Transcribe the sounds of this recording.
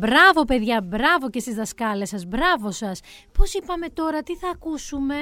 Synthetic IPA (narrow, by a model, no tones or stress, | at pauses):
bɾɐvo̞pe̞ðʝɐbɾɐvo̞ce̞st̪izðɐskɐle̞sɐzbɾɐvo̞sɐs | po̞sipɐme̞t̪o̞ɾɐt̪iθɐːkusume̞